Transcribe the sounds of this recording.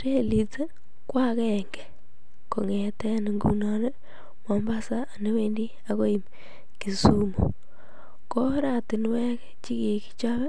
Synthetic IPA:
ɾe˦lite˦ | kwa˦ke˨ŋɡe˨ | ko˨ŋe˨tɛ˦ne˨ŋɡṵ˨nɔne˦ | mɔ˨mba˦saː˦˨ne˦we˦ndi˦ | a˨ko˦i˨m | ki˨su˦mo̰ | ko˦ɾa˨ti˨nwɛ˦k | t͡ʃi˦ki˨ki̥˦t͡ʃa˦βɛ˦

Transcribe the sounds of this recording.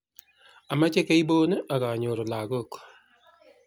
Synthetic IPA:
a˨ma˦t͡ʃe˦ke˦i˦boː˦ne˦ʔa˨ka˨ɲo˨ɾo˨la˨ɡo˦˨k

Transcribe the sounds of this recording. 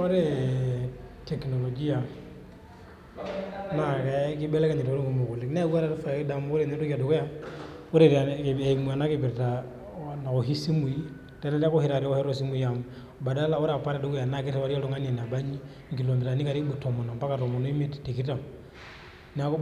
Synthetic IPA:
ɔ˦ɾɛ˦ | tɛ˨knɔ˨lɔ˨d͡ʒi˦a˨ | na˨kɛ˨ki˦bɛ˦lɛ˦ka˨ɲɛ˨to˦e˦ŋɡo˨mo˨ko˨li˨knɛ˦ɡwa˦ɾa˦ɾfa˨˦da˨mɔ˦o˦ɾe˨nɛ˦to˦ki˦a˨do˨kɔ˦ja˦o˦ɾe˨ɾɛ˨mu˨a˨na˦ke˨bi˨ɾta˨ | na˨o˨ɦi˦si˦mu˨i˦ | tɛ˦na˦la˦ko˦hi˦ɾa˨ɾɔ˦hɛ˦ɾɔ˦si˦mu˦i˦ja˨m | ba˨da˦la˦o˦ɾa˨pa˦ɾa˨du˦kɔ˦ja˨na˦˨k̬i˦a˦wa˦ɾi˦a˦tɔ˦ŋa˦nia˨n˨a˨ba˦ɲi˦ | ŋɡi˨lɔ˨mbi˨ɾa˨ni˦ka˨ɾi˦bu˨tɔ˨mɔ˨nɔ˨mba˦ka˨tɔ˨mɔ˨nɔ˦i˦mi˦tti˨ki˦ta˨ | na˦k

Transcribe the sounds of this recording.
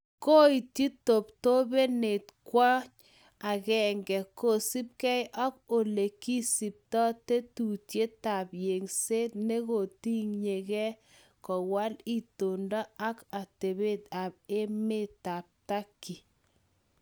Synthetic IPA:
ko˦i˨ti˦to˨p̚to˦be˦ne˨tkwɔ˦ɲ | a˨ɣɛ˨ŋɡɛ˨ko˨si˦p̚kɛ˦jʔɔ˦k̚o˨le˨ki˦si˨p̚tɔ˦te˦tu˨tje˦ta˨pje˨ŋse˦tne˦ɣo˨ti˦ŋɲe˨kɛ˦ | kɔ˨wa˦li˦to˨ndɔ˦a˦ka˨te˨be˦ta˨b̚e˦me˦˨ta˨p̚ta˦kːi˨

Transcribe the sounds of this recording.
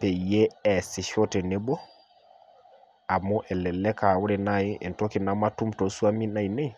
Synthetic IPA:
pɛ˨je˦ɛ˨si˨ʃo˦tɛ˨ne˦bo˦ | a˨mu˦ʔɛ˨lɛ˨lːɛ˦ka˨wu˦ɾɛ˨na˦jiḛ˨nto˦ki˨na˦ma˦tu˦mto˨su˦a˦mi˦na˦˨jne˦i

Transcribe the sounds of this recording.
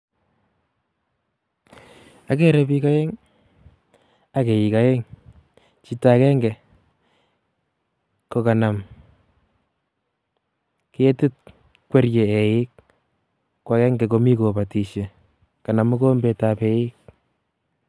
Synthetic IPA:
a˦k̬e˦ɾɛ˨pi˦ka˦je˦ŋ | a˦ke˨ji˨ka˨je˦ŋ | t͡ʃi˦ta˦kɛ˦ŋɡɛ˨ | ko˨ka˨na˨m | kee˦tɪ˦t̚ | kwe˦rje˨e˨jɪ˦k̚ | kːwa˨kɛ˦ŋɡɛ˨k̬o˨mi˦ko˨pa˨ti˨ʃe˨ | ka˨na˨mu˦ko˦mbe˨ta˨pe˨jɪ˦k̚

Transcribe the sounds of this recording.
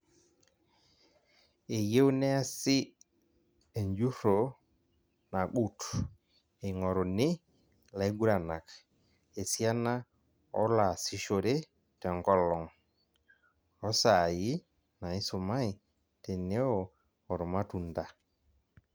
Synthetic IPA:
e˨je˦wnɛ˦a˦sɪ˦ | e˨ɲd͡ʒu˦ɾo˨ | na˨ɡu˦t | e˨ŋɔ˨ɾɔ˨nɪ˦ | la˨e˦ɡu˦ɾa˨na˨k | e˨sja˦na˦ | ɔ̰˦la˨si˦ʃo˨ɾe˦ | tɛ˨ŋɡɔ˦lɔ˨ŋ | ɔ˦sa˨jɪ˦ | na˨ɪ˦so˨ma˦i˨ | te˨ne˦ɔ˨ | ɔ˨ɾɔ˨ma˦tu˨nda˨

